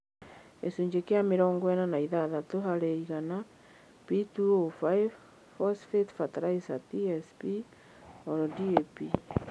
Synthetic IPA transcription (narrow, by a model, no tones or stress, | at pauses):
esuɲd͡ʒekeameɾɔːŋɡwɛnanaiðaðatoɦaɾeiɣana | pituofaiv | fɔsfetfataɾaisatiɛspi | ɔɾɔdiepi